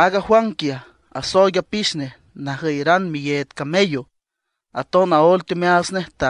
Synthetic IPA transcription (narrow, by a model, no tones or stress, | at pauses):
aɡahwaŋkja | a̰sojʲapiʃneh | nahəjɾanmijet̪kamejo | at̪onaolt̪omeasneht̪a